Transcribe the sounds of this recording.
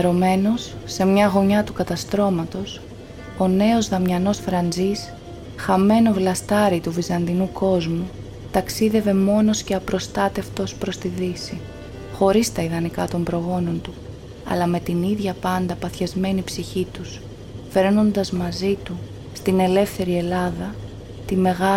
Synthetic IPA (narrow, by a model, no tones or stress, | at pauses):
eɾo̞me̞no̞sːe̞mɲɐɣo̞ɲɐt̪ukɐt̪ɐst̪ɾo̞mɐt̪o̞s | o̞ne̞o̞zðɐmɲɐno̞sfɾɐnd͡zis | xɐme̞no̞vlɐst̪ɐɾit̪uvizɐnd̪inuko̞zmu | t̪ɐksiðe̞ve̞mo̞no̞sce̞ɐpɾo̞st̪ɐt̪e̞ft̪o̞spɾo̞st̪iðisi | xo̞ɾist̪ɐiðɐnikɐt̪o̞mbɾo̞ɣo̞no̞nt̪u | ɐ̰lɐme̞t̪iniðʝɐpɐnd̪ɐpɐθçɐzme̞nipsiçit̪us | fe̞ɾno̞nd̪ɐzmɐzit̪u | st̪ine̞le̞fθe̞ɾie̞lɐðɐ | t̪ime̞ɣɐ